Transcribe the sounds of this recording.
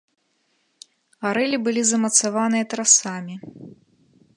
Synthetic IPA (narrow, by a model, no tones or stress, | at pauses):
aɾɛlʲibɨlʲizɐmɐt̪savanɨjɐt̪ɾasamʲi